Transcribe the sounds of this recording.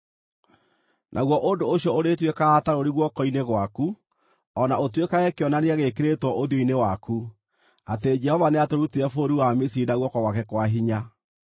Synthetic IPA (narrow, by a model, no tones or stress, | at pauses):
nʔaɣwɔʔondooɕjɔoɾetwekaːtaɾoɾiɣwɔkɔineɣwaku | ɔnaotwekaɛkeɔnaneɛɣekeɾetwɔʔoðijoinewaku | ated͡ʒɛhɔvaneatoɾutiɾɛfoɾiwamisinaɣwɔkɔwakɛkwaɦiɲa